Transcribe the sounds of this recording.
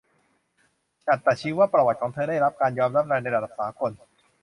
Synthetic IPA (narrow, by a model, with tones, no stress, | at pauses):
t͡ɕʰa˨˩t̪ːɛː˨˩t͡ɕʰiː˦˥waː˥˩pɾa˧wa˨˩t̪̚kʰɔː˩˦ŋt̪ʰɤː˧ɾaː˥˩jɾa˦˥p̚kaː˧njɔː˧mɾa˦˥p̚ɾɛː˧na˧jʔa˧˩da˨˩saː˩˦kʰo˧n